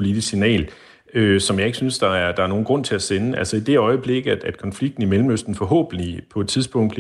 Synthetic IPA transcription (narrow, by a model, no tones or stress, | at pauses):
po̝lidʰissinɛ̰ːl | øsɒ̽mjɑ̈ɪe̝ɡ̥əsynsd̥ɑ̈æɐd̥ɑ̈æɐno̝ːn̩ɡ̥ʁɔ̽n̰t͡sʰe̝æsenəælsəid̥e̝ɒ̽ɪəb̥le̝ɡ̥əæd̥æd̥̚kʰɒ̽nfliɡ̥̚d̥n̩imelm̩øsd̥n̩fɒ̽ɦɔ̰ːb̥n̩lipʰɒ̽ed̥t͡sʰiðˠsb̥ɔ̽ŋ̰d̥b̥l